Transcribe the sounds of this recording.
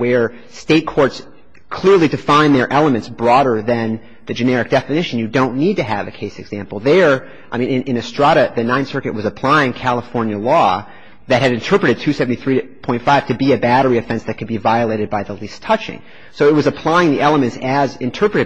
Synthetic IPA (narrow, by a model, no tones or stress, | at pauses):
wə˞ | steɪt̚kʰɔɹts | kʰl̥ɪɹlˠidɨfãɪ̃nðə˞ʔɛlˠəmɨ̃ntsb̥ɹɔɾə˞ðɨ̃n | ðɨd͡ʒɨnɛɹɨk̚d̥ɛfɨnɪʃɨ̃n̩jɨdõʊ̃nːid̚tɨɨ̰vɨkʰeɪsɨɡz̥æ̃mpl̩ˠðə˞ | ʔaɪmĩnɨ̃nʔɨ̃nɨstɹ̥ɑɾɨðɨnãɪ̃nsɜ˞kɨt̚wʌzɨpʰl̥aɪɪ̃ŋkʰælˠəfɔɹnjɨlɔ | ðɨt̚hɨɾɨ̃ntʰɜ˞pɹɨɾɨd̚tʰʉsɛvn̩tiθɹiɨpʰɔ̃ɪ̃ntfaɪv̥tʰɨbiɨbæɾə˞iɨfɛ̃nsðɨt̚kʰɨd̚bivaɪɨleɪɾɨd̚baɪðəlistʰʌt͡ʃɪ̰̃ŋ | soʊɨt̚wʌzəpʰl̥aɪɪ̃ŋðiʔɛlˠəmɨ̃ntsɨzɨ̃ntʰɜ˞pɹɨɾɨ